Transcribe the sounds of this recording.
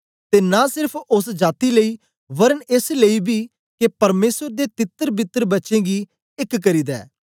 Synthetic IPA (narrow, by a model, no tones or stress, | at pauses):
t̪eːnasɪɾəpʰʊsd͡ʒaːt̪iləiː | ʋəɾənɪsləiːbiː | kepəɾmeːsəɾd̪eːt̪ɪt̪ːəɾbɪt̪ːəɾbətːʃẽːɡiː | ɪkːəɾiːd̪ɛ̰ː